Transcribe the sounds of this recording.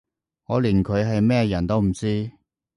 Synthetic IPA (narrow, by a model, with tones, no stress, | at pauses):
ŋɔː˨˧liː˨˩nkʰɵ˨˧ɥɦɐ˨jmɛː˥jɐ˨˩nt̪o˥wm̩˨˩t͡siː˥